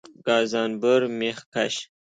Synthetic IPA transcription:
ɡɑːzɑːnbəɾmexkaʃ

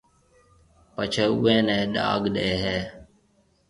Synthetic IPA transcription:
pət͡ʃʰeːʊːẽːnɛ̃ːɗa̰ːɡɗeːɦeː

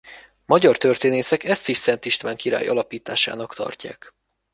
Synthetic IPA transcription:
mɒɟɒrt̪ørt̪eːneːsɛkɛst̪iʃsɛnt̪iʃt̪ʋaːŋkiɾa̰ːjɒ̰lɒpiːt̪a̰ːʃa̰ːnɒkt̪ɒ̰rca̰ːk

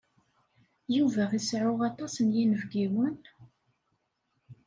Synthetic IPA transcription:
juvæʁisʕʊʁɑt̪ˤɑsənjinəvɡiwən

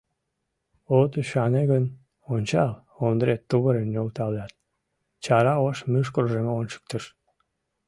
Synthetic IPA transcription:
ot̪uɕyɑneɡən | ont͡ɕɑl | ond̪əɾet̪ːuβəɾenːolt̪ɑlɑt̪̚ | t͡ɕɑɾɑoʃmɨʃ̬korʒemeont͡ʃə̥k̚t̪əʃ

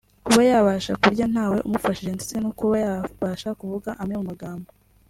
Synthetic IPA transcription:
kuβajaβaʃakuɾɟan̥haːwe̞ʔumufaʃiʒe̞ndet͡se̞nukuβajaβaʃakuvuɡaʔamɲe̞mumaɡaːmbo

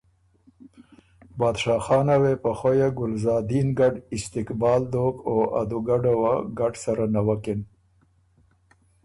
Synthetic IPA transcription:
bɑːd̪ʃɑːxɑːnawepaxojaɡʊlzɑːd̪inɡaɖɪst̪ɪkbɑːld̪okoa̰d̪uɡaɖawaɡaɖsaɾanawakɪn

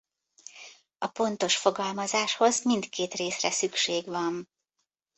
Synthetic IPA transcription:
ɒpo̞nt̪o̞ʃfo̞ɡɒlmɒzaːʃho̞zmint̪kʰeːt̪reːsrɛsykʃeːɡvɒm

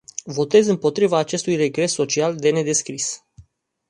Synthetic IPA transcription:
vo̞t̪e̞zɨmpo̞t̪ɾivaːt͡ʃe̞st̪ujre̞ɡɾe̞sːo̞t͡ʃiald̪e̞ne̞d̪e̞skɾis

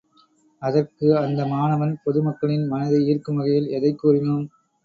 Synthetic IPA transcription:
ɐðɐrkɯɐnd̪ɐmaːnɐʋɐnpɔðɯmɐkːɐɭɪnmɐnɐðɐɪiːrkɯmʋɐɣɐjɪlɛðɐɪkːuːrɪnɯm

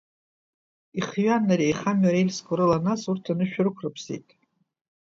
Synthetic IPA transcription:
iχɥanːarejχamɥaɾelʲskʷʰʼʊɾɨlanasurtʰanɨʃᶣrɨkʷʰrɨpʰsejtʼ

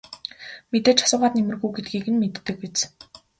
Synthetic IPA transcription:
met̪eːt͡ɕḁsʊːʁaːt̪nemɘ̆rɣujɡet̪̚ɡiːɣɘ̆nmet̪ːɘ̆k̚pet͡s

